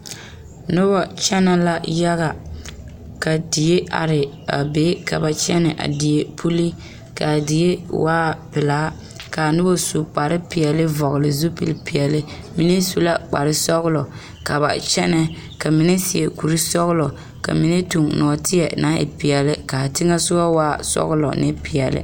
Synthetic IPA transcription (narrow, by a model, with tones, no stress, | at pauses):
nʊ˦bɔ˦t͡ʃɛ˦na˦la˦ja˦ɣa˨ | ka˨di˨je˦ʔa̰˨ɾɪ˨ | a̰˨be˦ka̰˨ba˨t͡ʃɛ˦nɪ˨ʔa̰˨di˨je˦pʰu˦li˦ | ka˨dɪ˨je˦waː˦pɪ˨laː˦ | ka˨nɨ˦bo˦su˨k͡pa˨ɾɪ˦pi˨ɛ˨lɨ˦vɔ˨ɣɪ˨lɪ˨zu˦pḭ˨lpi˨ɛ˨lɪ˦ | mi˦ne˦su˦la˦k͡pa̰˨ɾɪ˦sɔ˦ɣʊ˦lɔ˨ | ka˨ba̰˨t͡ʃɛ˦nɛ˦ | ka˨mi˦nɛ˦si˨e˨ku˨ɾi˦sɔ˦ɣʊ˦lɔ˨ | ka̰˨mi˦nɛ˦tu˨ŋnɔ˨tʰɪ˦jɛ˨na˦ɪ̰˨pi˨ɛ˨lɪ˦ka˨tɪ˦ŋa˦sʊ˦ba˦waː˦sɔ̰˦ɣʊ˦lɔ̰˨nɪ̰˦pi˨ɛ˨lɪ̰˦